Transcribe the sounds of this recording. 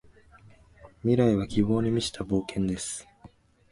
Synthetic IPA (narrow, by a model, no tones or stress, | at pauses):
mʲiɾaiβ̞akʲibo̞ːɲ̟imʲiɕi̥t̪ʰabo̞ːkʰẽ̞nd̪e̞sɨ̥